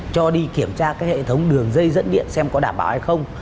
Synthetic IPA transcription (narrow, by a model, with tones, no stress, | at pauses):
t͡ɕɔ˧ɗi˧ki˧˩əmt͡ɕaː˧kaː˦k̚hḛ˧˨t̪ʰə˨˦wŋ͡mɗɨ˨˩əŋzə˧jzə̰˧˥nɗḭ˧˨ənsɛ˧mkɔ˨˦ɗaː˧˩mɓa̰ː˧˩wha˧jxə˧wŋ͡m